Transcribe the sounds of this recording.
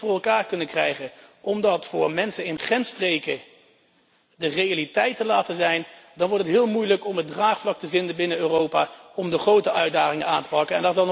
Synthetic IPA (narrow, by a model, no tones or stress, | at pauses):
fʊːɹɛlˠkaːɹkɵnəkrɛjχəʔɔmdɑtfʊːɹmɛnsənɪnχɛnstrejkə | dərejalitɛjtəlaːtəzɛjndɑnʋɔɹtətɦɪːlˠmujləkɔmədraːχflɑk̚təvɪndəbɪnəøːrowpaːɔmdəχrowtəœɥdaːχɪŋənaːntə̥pɑkənɛndɑtzɑlˠ